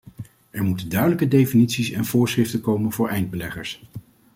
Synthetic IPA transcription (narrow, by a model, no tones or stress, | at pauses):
ʔɛɹmutəndœɥdələkədejfinitsisɛnv̥ʊːɹsrɪftəkowmənvʊːɹʔɛjnd̚bəlɛχəɹs